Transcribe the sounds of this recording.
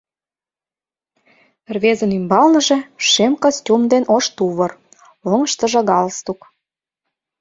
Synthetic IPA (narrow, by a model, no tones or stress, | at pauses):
rβezə̆nymbɑlnə̆ʒĕʃemkosʲtʲumd̪enʔoʃt̪uβɤ̆r | oŋə̆ʃt̪ə̆ʒɑ̆ɣɑlst̪uk